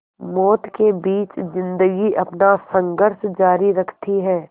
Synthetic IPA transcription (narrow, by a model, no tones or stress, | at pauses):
mɔːt̪kebiːt͡ʃzɪ̃nd̪əɡiʔɐpnasɐ̃ŋɡəɾʃd͡ʒaːɾiɾɐkʰt̪iɦɛː